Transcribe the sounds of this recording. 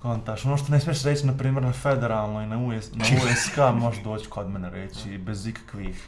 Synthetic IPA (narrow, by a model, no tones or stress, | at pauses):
kont̪aʃo̞noːʃt̪onesmijeʃɾet͡ɕinapɾiːme̞ɾnafed̪eɾaːlˠnoinauesnaueskamoʃd̪oːt͡ɕi̥ko̞d̪meneɾet͡ɕibezikḁkʋiːx